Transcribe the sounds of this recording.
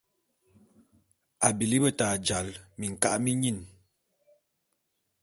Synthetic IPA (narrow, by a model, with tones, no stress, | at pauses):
a˨bi˨li˦bə˦taː˨d͡ʒa˨lmi˨ŋ̩˨ka̰˦ʔmi˦ɲi˦˨n